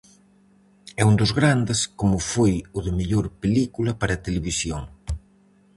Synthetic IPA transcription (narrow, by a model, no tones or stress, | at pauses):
ɛund̪ʊzɣɾand̪eskomʊfojʊðemeʎoɾpelikulɐpaɾɐt̪eleβisjoŋ